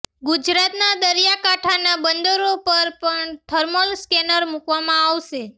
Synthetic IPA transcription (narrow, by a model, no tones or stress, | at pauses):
ɡud͡ʒɾat̪nad̪əɾjakaʈʰanabənd̪əɾopəɾpəɳt̪ʰəɾmolskɛnəɾmukʋamãaʋʃe